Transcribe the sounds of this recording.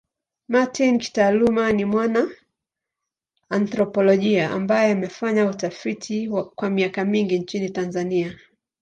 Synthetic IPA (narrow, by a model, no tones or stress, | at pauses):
matinki̥taːlumanimwana | antɾɔpɔlɔʄiaʔa̰mbajɛamɛfaɲautafitʰikwamiakamiŋɡiɲt͡ʃinitanzania